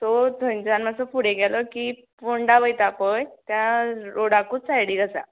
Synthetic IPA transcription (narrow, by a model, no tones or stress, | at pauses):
t̪ot̪əɲt͡sanmasəpuɽeɡɛlɔki | puɳɖabəjt̪apəjt̪jãɾoɽakuːt͡sajɽiɡəsa̰